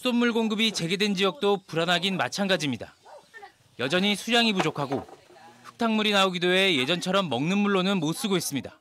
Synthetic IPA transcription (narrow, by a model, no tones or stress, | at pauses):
sʰudonmːuɭɡoŋɡɯbit͡ɕe̞ɡe̞dwe̞nd͡ʑijʌk̚t͈opuɾanɦaɡinma̰t͡ɕʰanɡad͡ʑimɲida | jʌd͡ʑʌɲisʰujaŋipud͡ʑokʰaɡoɸɯ̥k̚tʰaŋmuɾinaoɡidoe̞je̞d͡ʑʌnt͡ɕʰʌɾʌmːʌŋnɯnmuɭːonɯnmos͈ɯɡois͈ɯmɲida